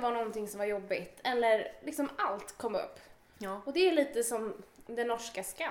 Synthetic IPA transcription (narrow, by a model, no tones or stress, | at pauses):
vanɔnt̪ɪŋsɔmvaɾjɔbːɪt̪ʰɛlːəɾlɪksɔmalt̪kʰɔmːɵ̰pː | ɔd̪ɛːliːt̪əsɔmd̪ɛnːɔʂkaska